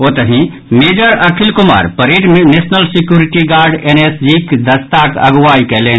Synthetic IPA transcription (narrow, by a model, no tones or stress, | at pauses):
ot̪əɦĩ | med͡ʒəɾəkʰilkuma̰ːɾpəɾeʈnesnəlsikjuɾiʈiɡaɾɖenesd͡ʒikd̪ʱəst̪akə̰ɡʋaikɛlen